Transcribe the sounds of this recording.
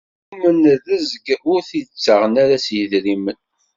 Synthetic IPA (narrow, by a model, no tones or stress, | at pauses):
mənðəzəɡʊɾθit͡sːəʁənaɾæsjəðɾimən